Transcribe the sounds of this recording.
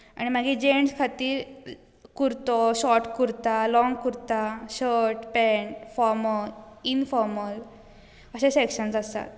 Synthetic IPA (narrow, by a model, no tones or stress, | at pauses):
a̰ɽ̃imaɡid͡ʑeɳɖskʰat̪iːɾ | kuɾt̪oɕɔɾʈkuɾt̪alɔŋɡkuɾt̪aɕəɾʈpɛɳʈfɔɾməinfɔɾməl | əɕesekɕənsast̪a̰t̪